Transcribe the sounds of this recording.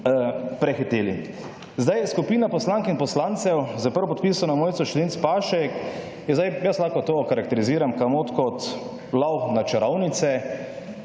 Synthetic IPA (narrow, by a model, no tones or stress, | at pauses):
pɾɛxit̪eːli | zd̪ajskupiːnapɔslaŋkinpɔslant̪sɛwzɐpəɾwɔpɔt̪̚piːsɔnamoːjt̪sɔʃlent̪spaːʃɛk | jɛzd̪ajjəslaːkɔt̪okaɾakt̪ɛɾiziːɾamkamot̪kɔt̪ | lawnat͡ʃɛɾawnit̪sɛ